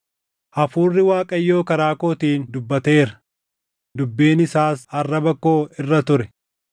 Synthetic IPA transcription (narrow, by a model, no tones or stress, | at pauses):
ʔɐfuːrːɪwaːkʼɐjːo̞ːkɐɾaːko̞ːt̪iːnd̪ʊbːɐt̪eːɾɐ̥ | d̪ʊbːeːnɪsaːsɐrːɐbɐkːo̞ːɪrːɐt̪ʊɾɛ